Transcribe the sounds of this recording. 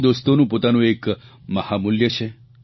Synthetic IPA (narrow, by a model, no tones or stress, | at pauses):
d̪ost̪onũːpot̪anũekməhamuljət͡ʃʰe